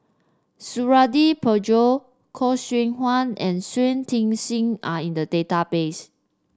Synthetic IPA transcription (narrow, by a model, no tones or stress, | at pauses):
suɹadipʰəd͡ʒo | kʰɔswĩŋhwãnɛ̃nswẽntʰĩŋsĩŋaĩndədetapes